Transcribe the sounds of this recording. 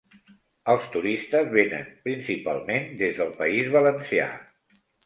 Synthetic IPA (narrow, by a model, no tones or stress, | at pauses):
əlˠst̪uɾist̪əzβenə̰npɾinsipa̰lˠmend̪ezðəlˠpəizβələnsia̰